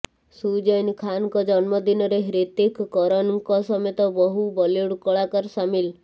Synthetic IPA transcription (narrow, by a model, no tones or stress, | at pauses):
sud͡ʒɔjnkʰankɔd͡ʒɔnmɔd̪inɔɾeɦɾet̪ekːɔɾɔnkɔsɔmet̪ɔbɔɦubɔleɽkɔɭakɔɾsamil